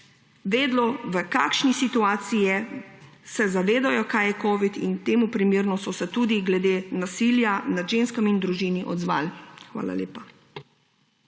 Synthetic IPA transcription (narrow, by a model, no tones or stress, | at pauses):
ʋeːd̪lɔʋəka̰ːkʃnisit̪uaːt̪sijɛ | sɛzaʋeːd̪ajɔkajɛkɔːʋit̪ḭnt̪eːmupɾimeːɾnɔsɔsɛt̪uːd̪iɡlɛd̪eːnasiːljanad̪ʒenskamind̪ɾuʒiːniʔɔ̰d̪zʋa̰ːlxʋa̰ːla̰leːpa